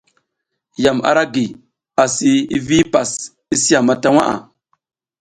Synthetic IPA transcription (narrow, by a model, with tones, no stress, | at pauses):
ja˨ma̰˨ɾa˦ɡi˨ | a˨si˦i˦vi˦pa˨s | i˦si˦a˨ma˨ta˦wa̰˦ʔa̰˨